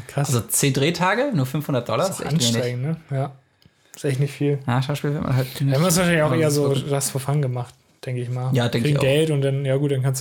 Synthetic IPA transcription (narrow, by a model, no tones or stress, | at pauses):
kʁ̥aazot͡seːndʁeːtʰaːɡənuːɐfʏnfhʊndɐt̚d̥ɔlɐsʔɛçanmeːnaɪɡŋ̩nəjaː | ɪsʔɛçtnɪçtfiːljaːʃaʊʃpiːlvɪɐtma̰nɦatnamvɪdsvaɐʃ̬aɪnlçaʊxʔeːɐzoːdasfoːɐfaŋnɡəmaχt̚ | d̥ɛŋkəɪçmaːljaːdɛŋkŋʔɡɛltʊntd̥anjaːɡuːt̚d̥ankʰans̬